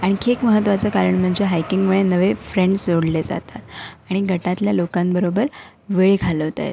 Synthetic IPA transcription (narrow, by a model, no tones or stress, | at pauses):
aɽ̃ikʰekməɦət̪ːʋat͡səkaɾəɳm̤əɳd͡ʑeɦajkiŋɡməɭenəʋefɾeɳɖsoɽled͡za̰t̪at̪aɽ̃iɡʱəʈat̪ljalokãmbəɾobəɾ | ʋeɭekʰaləɦot̪a̰jḛt